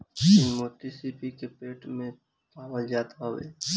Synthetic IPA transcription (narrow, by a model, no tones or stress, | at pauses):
ɪnmoʈisipikepeːʈmẽ | paːʋəld͡ʒaːt̪aɦʋḛː